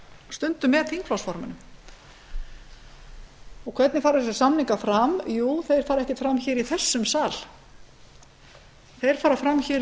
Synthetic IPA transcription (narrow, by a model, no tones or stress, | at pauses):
st̪ʏnt̪ʏmɛt̪ʰiŋkflɔsfɔɾmʏ̰nʏm | ɔkʰvɛt̪nɪfaːɾaθɛsɪ̥samniŋkafɾamjuːθejɾ̥faːɾɛhcɪfɾamçɪːɾiθɛsːʏmsaːl̥ | θejɾ̥faːɾafɾamçɪːɾ